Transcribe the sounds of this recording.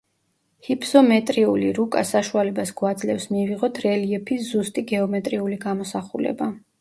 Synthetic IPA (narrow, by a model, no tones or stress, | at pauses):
hipʰsɔmɛt̪ʼɾiuliɾukʼa̰saʃualɛbasɡ̥wad̪zlɛfsmiviʁɔt̪ʰɾɛliɛpʰisz̥ust̪ʼiɡɛɔmɛt̪ʼɾiuliɡamɔsaχulɛ̰ba